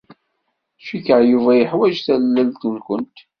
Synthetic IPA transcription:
ʃikəʕjuvæjəħwæd͡ʒθællːælt̪ulkʷʊnt̪

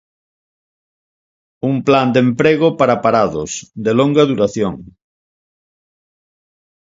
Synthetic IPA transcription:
umpland̪empɾeɣʊpaɾapaɾaðʊ̰sd̪eloŋɡɐðuɾaθjoŋ

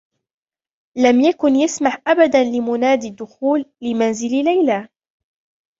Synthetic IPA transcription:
lamjakʊnjasmaħʔabad̪anlɪmʊnaːd̪ɪd̪ːʊxuːlːɪmanzɪllajla

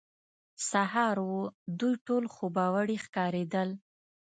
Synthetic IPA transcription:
saɦɑɾwud̪ujʈolxobɑwaɽixkɑɾed̪əl

